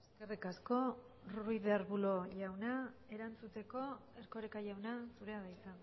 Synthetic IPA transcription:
esske̞rikasko̞ | ruiðeɾβulo̞ʝawnae̞ɾant͡sut̪e̞ko̞e̞ɾko̞ɾekaʝawnasuɾe̞aðajt͡sa

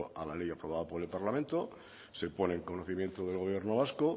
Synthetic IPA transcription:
a̰lalejapɾo̞β̞aðapo̞ɾe̞lpaɾlamẽnt̪o | se̞po̞neːŋko̞noθimjent̪oðe̞lɣo̞β̞je̞ɾnoβ̞asko

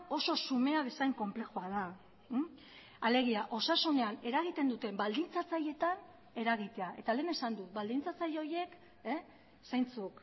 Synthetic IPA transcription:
o̞so̞sume̞aβe̞sajŋko̞mple̞xoað̞a | ale̞ɣiaʔo̞sasune̞ane̞ɾaɣ̞it̪e̞nd̪ut̪e̞mbald̪int͡sat͡saje̞t̪an | e̞ɾaɣ̞it̪e̞aʔe̞t̪ale̞ːne̞sand̪ut̪bald̪int͡sat͡sajo̞je̞k | sajnt͡suk

